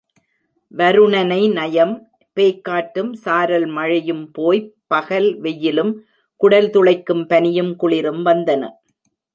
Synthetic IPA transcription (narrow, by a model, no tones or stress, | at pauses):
ʋɐɾɯɳɐnɐɪnɐjɐm | peːkːaːʈːɯmsaːɾɐlmɐɻɪjɯmpoːjpɐɣɐlʋɛjːɪlɯm | kʊɽɐlt̪ʊɭɐɪkːɯmpɐnɪjɯmkʊɭɪɾɯmʋɐnd̪ɐnɐ̰